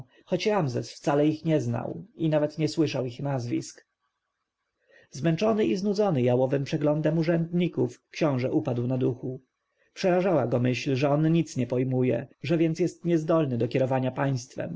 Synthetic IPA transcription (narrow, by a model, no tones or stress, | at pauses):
xɔt͡ɕɾamzɛsft̪salɛixɲɛzna̰winavɛt̪ɲɛswɘʂawixnazvʲḭsk | zmɛnt͡ʂɔnɘiznud̪zɔnɘjawɔvɘmpʂɛɡlɔnd̪ɛmuʐɛnd̪ɲikufkɕɔ̃w̃ʐɛʔupad̪wnad̪uxu | pʂɛɾaʐawaɡɔmɘɕlʐɛɔnɲit̪sɲɛpɔjmujɛ̰ʐɛvʲjɛnt̪sʲjɛst̪ɲɛzd̪ɔlnɘd̪ɔkʲɛɾɔvaɲapaj̃st̪fɛ̰m